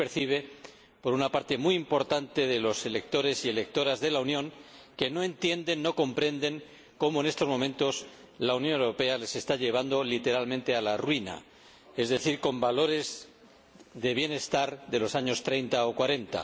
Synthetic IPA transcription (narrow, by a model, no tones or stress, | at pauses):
peɾθiβ̞e̞ | po̞ɾunapaɾt̪e̞mujimpo̞ɾt̪ant̪e̞ðe̞lo̞se̞le̞k̚t̪o̞ɾe̞sie̞le̞k̚t̪o̞ɾazðe̞launjõ̞ŋke̞no̞ẽ̞nt̪je̞nd̪e̞nːo̞ko̞mpɾe̞nd̪e̞ŋ | ko̞mo̞e̞ne̞st̪o̞zmo̞mẽ̞nt̪o̞s | launjonewɾo̞pe̞ale̞se̞st̪aʎe̞β̞and̪o̞lit̪e̞ɾalmẽnt̪e̞alarwina̰ | e̞zðe̞θiɾkõ̞mbalo̞ɾe̞z | ðe̞β̞je̞ne̞st̪aɾðe̞lo̞saɲo̞st̪ɾe̞jnt̪aokwaɾe̞nt̪a̰